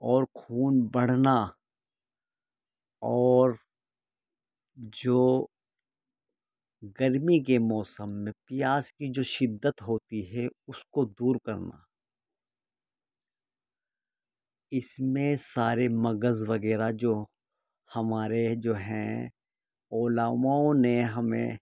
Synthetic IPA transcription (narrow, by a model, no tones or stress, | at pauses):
ɔːɾkʰuːnbɐɽ̤na | ɔːɾ | d͡ʒoː | ɡɐɾmik̬emɔːsəmːẽpɪjaːskid͡ʒoːʃɪd̪ːət̪ɦoːt̪iɦɛʊskod̪uːɾkɐ̰ɾna̰ː | ɪsmẽsaːɾemɐɡəzʋɐɡɛːɾad͡ʒoː | hɐmaːɾed͡ʒoːɦɛ̰̃ | oːlaːmaõneɦɐmḛ̃